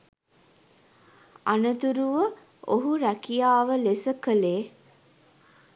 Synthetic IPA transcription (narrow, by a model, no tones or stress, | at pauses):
a̰nət̪uɾuʋə | oɦuɾækijaːʋəlesəkəleː